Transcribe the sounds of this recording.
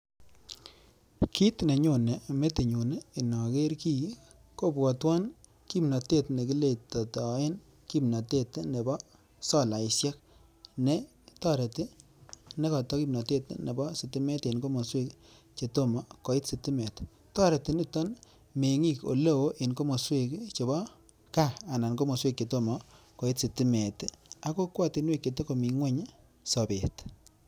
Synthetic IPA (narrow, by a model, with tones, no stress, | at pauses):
ki˦tne˨ɲo˦˨ne˨me˦ti˨ɲo˨neː˦˨na˨ke˦ɾki˦ | ko˦bɔ˨twa˦n | ki˦mna˨te˦˨tne˨ki˦le˦˨ta˨ta˨˦ɪ˦n | ki˦pna˨te˦tne˨bɔ˦ | sɔ˦˨la˨ɪ˨sjɛ˦k̚ | ne˦ | ta˦˨ɾe˨tɪ˦ | ne˦kɔ˨tɔ˦ki˦mna˨te˦tne˨bɔ˦si˨ti˦me˦te˨nko˦mo˨swe˦k | t͡ʃe˨to˦mɔ˨ko˨i˦tsi˨ti˦me˨t | tɔ˦ɾe˨ti˨ni˦tɔ˦n | me˨ŋi˦˨ko̰˨le˦wo˦ʔe˨nko˦mo˨swe˦˨kt͡ʃe˨bɔ˦ | kaː˦˨na˨nko˦mo˨swe˦k̚t͡ʃe˨to˦mɔ˨ | ko˨i˦tsi˨ti˦me˨ta˦ko˦kwɔ˦˨ti˨nwe˦˨kːe˨te˦ko˨mi˨ŋwe˦ɲ | sɔ˨be˨t